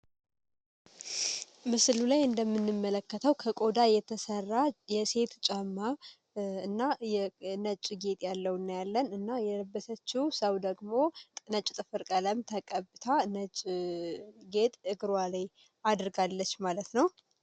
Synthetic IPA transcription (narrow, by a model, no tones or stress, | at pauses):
mɨslulajɨnd̪əmːɨnːɨmːələkːət̪ʰəwkʰəkʼo̞d̪ajɛt̪ʰəsərːajɛse̞t̪t͡ʃʼamːa | ɨnːajɛnət͡ʃʼɡe̞t̪ʼjalːəwnːajalːənɨnːajɛləbːət̪ʰət͡ʃːiwsəwd̪əɡmo̞nət͡ʃʼt̪ʼɨfɨɾkʼələmt̪ʰəkʼəbɨt̪ʰanət͡ʃʼ | ɡe̞t̪ʼɨɡɾwalaj | ad̪ɨɾɡalːət͡ʃːmalət̪nəw